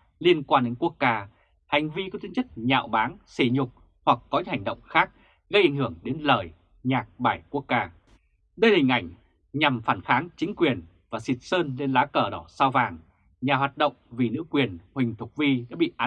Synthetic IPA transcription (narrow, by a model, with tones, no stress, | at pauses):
li˧ənkwaː˧nɗe˨˦nku˦˥ək̚kaː˧ | ha˨˩jŋ̟vi˧kɔ˨˦t̪ʰi˨˦ə˦nt͡ɕə˦˥k̚ɲa̰ː˧˨wɓaː˨˦nse˧˩ɲʊ˨˩k͡p̚ | hwa˨˩k̚ːɔ˨˦ɲɨ̰˧˥ha˨˩ŋ̟ɗə̰˧˨wŋ͡mxaː˦˥k̚ | ɣə˧jʔa˨˩jŋ̟ɦɨ˧˩əŋɗe˨˦nləː˧˨˩j | ɲaː˨˩k̚ɓaː˧˩jku˦˥əkːaː˧ | ɗə˧jhï˨˩ŋ̟ʔa˧˩jŋ̟ | ɲa˨˩mfaː˧˩nxaː˨˦ŋt͡ɕï˨˦ŋ̟kwi˨˩ən | vaː˨˩si˨˩t̚səː˧nle˧nlaː˨˦˥kəː˧˩ɗɔ˨˦saː˧wvaː˨˩ŋ | ɲaː˨˩waː˨˩t̚ɗə̰˧˨wŋ͡mvi˨˩nɨ̰˧˥əkwi˨˩ənhwï˨˩ŋ̟t̪ʰʊ˨˩k͡p̚vi˧ɗa̰ː˧˥ɓḭ˧˨ʔaː˨˦